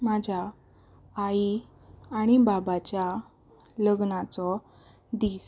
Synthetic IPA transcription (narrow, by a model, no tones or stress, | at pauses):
mad͡ʑʱaː | i | aɽ̃ibabat͡ɕja | ləɡnat͡sɔ | d̪iːs